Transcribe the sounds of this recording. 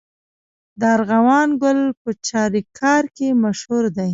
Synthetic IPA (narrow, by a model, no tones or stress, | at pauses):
d̪əaɾɣawɑnɡʊlpət͡ʃɑɾikʰɑɾkemaʃhuɾd̪aj